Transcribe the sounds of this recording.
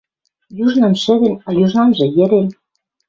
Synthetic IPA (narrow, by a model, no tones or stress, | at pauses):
juʒnɤ̆mʃɘ̆ðĕnɑjuʒɑnʒɤ̆jɘ̆ɾen